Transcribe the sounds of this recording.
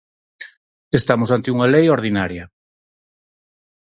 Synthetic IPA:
est̪amosant̪ɪuŋalejoɾð̞inaɾjɐ

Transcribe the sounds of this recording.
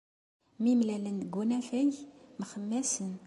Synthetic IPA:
mimlælənɡunæfæjmχəmːæsən

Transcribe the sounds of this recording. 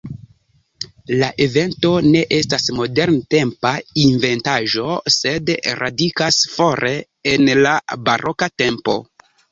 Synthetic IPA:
laʔe̞ve̞nto̞ne̞ʔe̞stasmo̞de̞ɾnte̞mpainve̞ntaʒo̞se̞dɾʔa̰dikasfo̞ɾe | enlabaɾʔo̞kate̞mpo̞̰

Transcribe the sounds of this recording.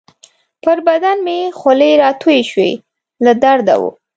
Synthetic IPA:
pəɾbad̪anmejexoleɾɑt̪ʰujeʃwḛ | lad̪aɾd̪a̰wṵ

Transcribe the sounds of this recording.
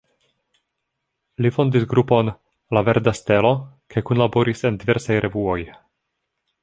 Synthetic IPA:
lifo̞ndisɡɾupo̞n | lave̞ɾdaste̞lo̞ | kajkunlaboɾise̞ndive̞ɾsajɾʔe̞vuo̞j

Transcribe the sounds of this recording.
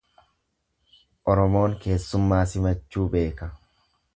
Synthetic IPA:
ʔɔɾɔmo̞ːŋke̞ːsːʊmːaːsɪmɐt͡ʃːuːbe̞ːkɐ

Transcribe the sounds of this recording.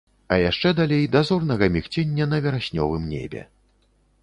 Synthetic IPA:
ɐjaʂt͡ʂɛd̪alʲejd̪azɔrnɐɣɐmʲixt͡sʲenʲːɐnɐvʲɛɾasʲnʲɔ̰vɨmnʲḛbʲɛ̰

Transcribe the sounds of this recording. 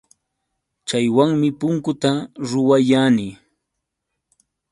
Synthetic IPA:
t͡ʃajwaŋmɪpʊŋkʊt̪aɾʊwajanɪ

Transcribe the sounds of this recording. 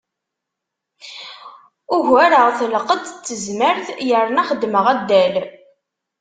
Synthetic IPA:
ʊʝæɾəʁθəlqəd̪t͡sːəzməɾθjəɾnæχəd̪ːməʁæd̪ːæl

